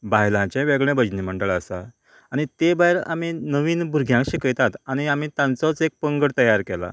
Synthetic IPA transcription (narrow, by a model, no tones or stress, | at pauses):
baɦjlãt͡ɕɛ̃ʋeɡɭẽbəd͡ʑnim̤əɳɖəɭəsaː | ɽ̃it̪ebajɾa̰m̤inəʋiːnbʱuɾɡʱjãkɕikəjt̪at̪añiam̤it̪ãnt͡sɔt͡sek̚pəŋɡəɽt̪əjaɾkɛla̰